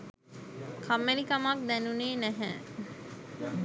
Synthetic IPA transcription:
kʰamːenikɐmɐk̚d̪ɛnuneːnæɦæː

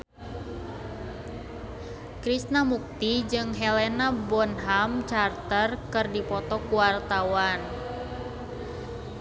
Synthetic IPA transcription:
kɾisnamuk̚t̪id͡ʒɨŋɦɛlɛnabɔnɦamt͡ʃart̪ərkɨrdipɔt̪ɔkuwart̪awan

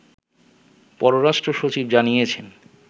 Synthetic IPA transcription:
pɔɾoɾaʃʈɾoʃot͡ɕibd͡ʑanijet͡ɕʰen

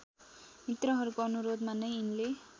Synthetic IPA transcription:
mit̪rʌɦʌɾukoʌnuɾod̪manʌjinle

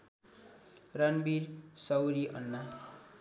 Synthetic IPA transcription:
ranbiɾsʌwɾiʔʌ̰nːa

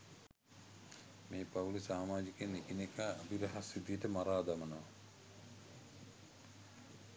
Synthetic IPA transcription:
meːpaulisaːmaːd͡ʒikenikinekaːbiɾɐɦasːid̪ijeʈəmaɾaːd̪amənəʋa

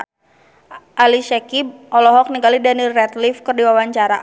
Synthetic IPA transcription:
ʔaliʃɛkib̚ʔɔlɔɦɔk̚niŋɡalidanirɛt̪lifkərdiwawaɲt͡ʃaɾa

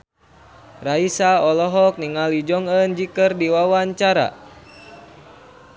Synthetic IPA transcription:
raisaɔlɔɦɔk̚niŋalid͡ʒɔŋənd͡ʒikərdiwawaɲt͡ʃaɾa̰

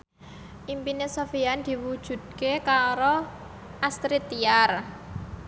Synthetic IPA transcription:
ʔimpinesofiand̪̥i̤wud̥ʒ̥ṳd̪̥̚kekaɾo | ʔast̪ɾit̪iar

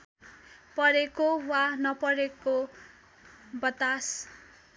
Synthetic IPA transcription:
pʌɾekowanʌpʌɾeko | bʌt̪as

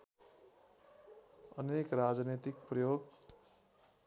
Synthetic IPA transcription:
ʌnekrad͡znet̪ik̚prʌjoɡ

